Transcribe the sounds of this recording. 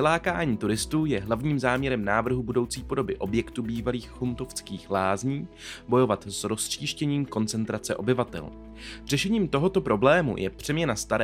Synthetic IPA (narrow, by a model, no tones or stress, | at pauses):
ɪlaːkaːɲiːt̪uɾɪst̪uːjɛɦlavɲiːmzaːmɲɛɾɛmnaːvr̩ɦubudo̞wt͡siːpo̞do̞bɪʔo̞bjɛkt̪ubiːvaliːxhunt̪o̞ft͡skiːxlaːzɲiː | bo̞jo̞vat̪sɾo̞sriːʃcɛɲiːmko̞nt͡sɛnt̪ɾat͡sɛʔo̞bɪvat̪ɛ̰l | r̝ɛʃɛɲiːmt̪o̞ɦo̞t̪o̞pɾo̞blɛːmṵjɛ̰pr̝̥ɛmɲɛnast̪aɾ